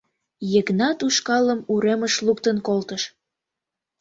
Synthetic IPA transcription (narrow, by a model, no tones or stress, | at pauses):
jəknɑt̪uʃkɑləmuɾeməʃlukt̪ənkolt̪əʃ